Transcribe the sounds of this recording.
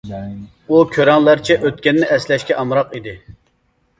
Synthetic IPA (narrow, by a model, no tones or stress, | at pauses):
ukʲʰøɾɛŋlˠæɾt͡ʃʰɛʔøt̪̚kʲɛnːɪʔɛslɛʃkʲɛʔɑmɾɑqid̪ɪ